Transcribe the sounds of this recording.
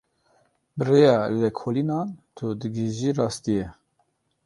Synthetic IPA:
bɨrejɑːlɛkʰoːlinɑːnt̪ʰud̪ɨɡiʒiːrɑːst̪ijɛ

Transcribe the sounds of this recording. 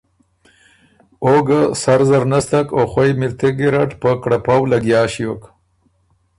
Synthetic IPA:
oɡasaɾzaɾnast̪akoxwajmiɾt̪eɡiɾaʈpəkɽapawlaɡjɑːʃiwok

